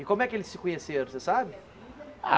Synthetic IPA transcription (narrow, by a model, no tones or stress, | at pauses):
ɪkõmʊɛkɪelɪsːɪkõɲeseɾ̃sesabɪ | a̰